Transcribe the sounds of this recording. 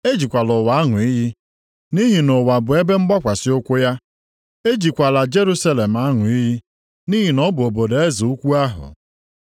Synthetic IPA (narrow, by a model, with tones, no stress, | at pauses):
e˦d͡ʒi˨kʷa˨lʊ˨wa˨a˦ŋʊ˨i˦ɦi˦ | ni˦ɦi˨no˨wa˨bʊ˨e˦be˦ŋ͡m̩˦ɡ͡bɔ˦kʷa˨sɪ˦ʊ˦kʷʊ˦ja˦ | e˦d͡ʒi˨kʷa˨la˨d͡ʒe˦ɾu˦sa˦le˨m̩˨a˦ŋʊ˨i˦ɦi˦ | ni˦ɦi˨nɔ˦bʊ˨o˨bo˨de˦zi˨u˦kʷu˦a˦ɦʊ̰˨